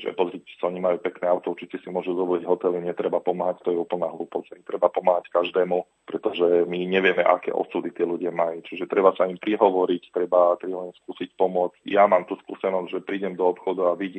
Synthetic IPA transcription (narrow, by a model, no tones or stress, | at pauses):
ʒɛ̰pɔzɾiːcɛ̥saɔɲimajuːpɛknɛːaʊt̪ɔuɾt͡ʃicɛsimʊɔʒuzɔʋɔliɟɦɔt̪ɛlimɲɛt̪ɾɛbapɔmaːɦact̪ɔjɛuːpl̩naːɦluːpɔt͡saimt̪ɾɛbapɔmaːɦackaʒd̪ɛːmu | pɾɛt̪ɔʒɛmiɲɛʋɪɛmɛʔa̰kɛ̰ːʔɔ̰suːd̪it̪ɪɛluɟɪamajut͡ʃiʒɛt̪ɾɛbasaimpɾiɦɔʋɔɾict̪ɾɛbat̪ɾiɦɔimskuːsicpɔmʊɔd͡zjamaːmt̪uːskṵːsɛnɔzʲʒɛpɾiːɟɛmd̪ɔɔpxɔd̪uaʋiɟiːm